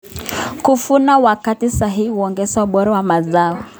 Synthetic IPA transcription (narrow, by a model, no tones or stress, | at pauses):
kufunawakatisaɦihiuɔŋɡɛsauɓɔɾawamazaɔ